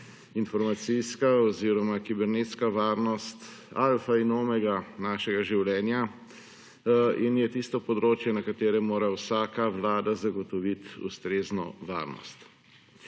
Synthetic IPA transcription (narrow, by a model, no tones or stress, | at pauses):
infɔɾmat̪sijskaɔziːɾɔmakibɛɾnet̪skaʋaːɾnɔst̪ | alfainoːmɛɡanaːʃɛɡaʒiwlɛːnja | injɛt̪ist̪ɔpɔd̪ɾoːt͡ʃjɛnɐkat̪eːɾɛmoːɾawsaːkaʋlaːd̪azaɡɔt̪ɔʋit̪ṵst̪ɾeːznɔ̰ʋa̰ːɾnɔ̰st̪